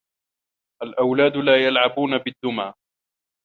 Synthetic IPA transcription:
ʔalʔawlaːd̪laːjalʕabuːnabɪd̪ːʊmaː

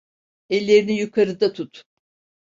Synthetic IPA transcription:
ɛlʲːeɾinijukʰaɾɯd̪at̪ʰut̪

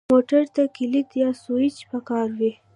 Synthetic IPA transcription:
moʈaɾt̪akɪlit̪jɑsuit͡ʃpəkɑɾwi

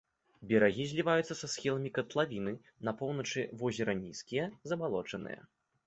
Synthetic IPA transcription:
bʲɛɾaɣʲizʲlʲivajut̪sːɐsasxʲilˠɐmʲikɐt̪lˠavʲinɨ | nɐpɔwnɐt͡ʂɨvɔzʲɛɾɐnʲiskʲijɐzɐbalˠɔt͡ʂɐnɨ̰jɐ̰

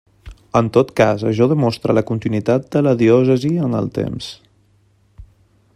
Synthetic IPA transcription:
ənt̪ot̪kazəʃɔðəmɔst̪ɾələkunt̪inwit̪at̪̚d̪ələðiɔsəziənə̰lˠt̪ḛms

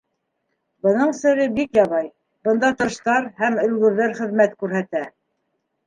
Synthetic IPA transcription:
bɤ̆nɤɴsɘ̆ɾɘbikjɑβɑj | bɤ̆nd̪ɑt̪ɤ̆ʃt̪ɑɾhæmɵ̆lɡɵ̆ɾðæɾχɘ̆ðmæt̪kʉɾɦæt̪æ

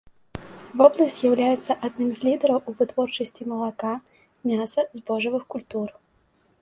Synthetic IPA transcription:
vɔblˠɐsʲtʲjawlʲajɛt̪sːɐʔad̪nɨmzʲlʲid̪ɛɾɐwuvɨt̪vɔrt͡ʂɐsʲt͡sʲimɐlˠaka | mʲasɐzbɔʐɐvɨxkulʲt̪ur

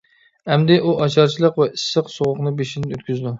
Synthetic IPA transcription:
ɛmd̪ɪʔuʔɑt͡ʃʰɑɾt͡ʃʰilˠəqvɛʔisːəqsoʁʊqnɨbeʃid̪ɪnøt̪̚kʲyzd̪u

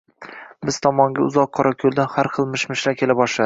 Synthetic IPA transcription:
bɪz̥t̪ʰɒmɒŋɡʲaʊzɒqʰːɒɾakʲʰɵlˠd̪anhaɾχɨlˠmɪʃmɪʃɾakʲʰe̞labɒʃlad̪ɪ

